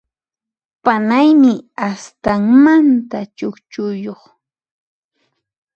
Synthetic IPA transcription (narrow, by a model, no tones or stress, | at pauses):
panajmɪast̪aŋmant̪at͡ʃokt͡ʃʊjoχ